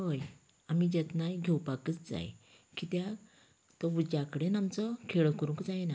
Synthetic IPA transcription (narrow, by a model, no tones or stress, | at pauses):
ɦəj | amid͡ʑɛt̪najɡʱewpakət͡sd͡za̰j | kit̪ja | t̪əud͡ʑakəɽenamt͡sɔkʰeɭəkəɾũŋkd͡zajna